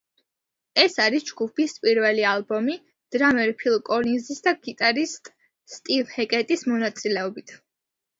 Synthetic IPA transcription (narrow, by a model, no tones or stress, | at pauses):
ɛsaɾisd͡ʒɡupʰispʼiɾvɛlialˠbɔmi | d̪̥ɾamɛɾpʰilˠkʼɔlinzisd̪aɡ̥it̪ʼaɾist̪ʼː | t̪ʼilhɛkʼɛt̪ʼismɔnat̪sʼilɛɔbit̪ʰ